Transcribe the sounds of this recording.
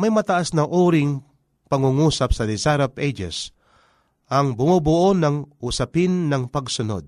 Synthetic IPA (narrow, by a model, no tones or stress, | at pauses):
mɐjmɐt̪ɐʔasnɐʔuːɾɪŋ | pɐŋuŋuːsɐpsɐd̪ɪsaɾɐpʔejd͡ʒɛ̰s | ʔɐŋbʊmʊbʊʔonɐŋʔʊsɐpɪnːɐŋpɐɡsʊno̰d̪̚